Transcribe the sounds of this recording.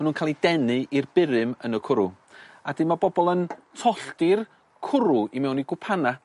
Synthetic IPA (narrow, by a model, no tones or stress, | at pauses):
manuːnkʰaːlˠidɛnɨʔirbɪɾɨmənəkʰʊɾu | adɪmabɔbɔlˠəntʰɔɬtɪr | kʰʊɾuimɛwniɡwʊpʰana